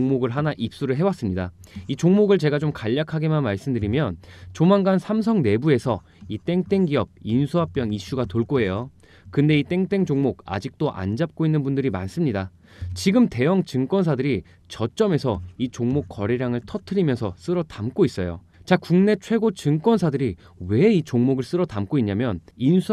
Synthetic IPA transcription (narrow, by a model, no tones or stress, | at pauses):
ŋmoɡɯɭɦanaʔip̚s͈uɾɯɭɦe̞was͈ɯmɲidait͡ɕoŋmoɡɯɭt͡ɕe̞ɡad͡ʑomkaʎːakʰaɡe̞manmaɭs͈ɯmdɯɾimjʌnt͡ɕomanɡansʰams̬ʰʌŋne̞bue̞sʰʌ | it͈e̞ŋt͈e̞ŋɡiʌb̚insʰuɦap̚p͈jʌŋiɕ͈uɡatoɭk͈oɦe̞jo | kɯnde̞it͈e̞ŋt͈e̞ŋd͡ʑoŋmoɡ̚a̰d͡ʑik̚t͈oʔa̰nd͡ʑap̚k͈oinːɯnbundɯɾima̰ns͈ɯmɲida | t͡ɕiɡɯmte̞jʌŋt͡ɕɯŋk͈wʌnsʰadɯɾi | t͡ɕʌt͡ɕ͈ʌme̞sʰʌit͡ɕoŋmok͈ːʌɾeɾjaŋɯɭtʰʌtʰɯɾimjʌnsʰʌs͈ɯɾʌtamk͈ois͈ʌjo̰ | t͡ɕakuŋne̞t͡ɕʰwe̞ɡot͡ɕɯŋk͈wʌnsʰadɯɾi | we̞it͡ɕoŋmoɡɯɭs͈ɯɾʌtamk͈oiɲɲamjʌninsʰu